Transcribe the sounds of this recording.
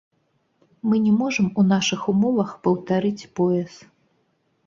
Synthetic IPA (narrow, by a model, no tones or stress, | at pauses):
mɨnʲɛmɔʐɐmunaʂɨxumɔvɐxpɐwt̪aɾɨt͡sʲpɔjɛs